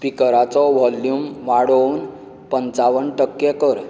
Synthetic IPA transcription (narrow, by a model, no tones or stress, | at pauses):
pikəɾat͡sɔʋɔljumʋaɽəwn | pənt͡saʋənʈəkːjɛkəɾ